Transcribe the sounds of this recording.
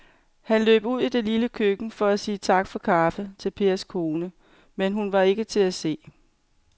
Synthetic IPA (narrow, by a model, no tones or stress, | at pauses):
hænlø̰ːb̥uð̰ˠid̥e̝liləkʰøɡ̥n̩fɒ̽æsiːt͡sʰɑ̈ɡ̥fɒ̽kʰɑ̈ːfət͡sʰe̝lpʰe̝ːɐskʰo̝ːnə | menɦunʋɑ̈e̝ɡ̥ət͡sʰe̝læse̝̰ː